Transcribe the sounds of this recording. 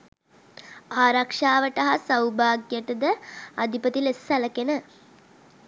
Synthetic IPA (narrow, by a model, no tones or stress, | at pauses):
aːɾakʂaːʋəʈɐɦasawbaːɡjəʈəd̪əad̪ipət̪ilesːæləkenə